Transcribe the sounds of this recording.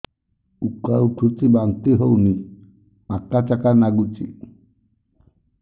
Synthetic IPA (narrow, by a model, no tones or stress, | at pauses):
ukawt̪ʰut͡sibant̪iɦowni | akat͡ʃakanaɡut͡ʃḭ